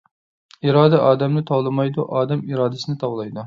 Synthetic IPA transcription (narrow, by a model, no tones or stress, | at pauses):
iɾɑːd̪ɛʔɑːd̪ɛmnɪt̪ʰɑwlˠɨmɑjd̪uʔɑːd̪ɛmiɾɑːd̪ɪsɨnɪt̪ʰɑwlˠɑjd̪u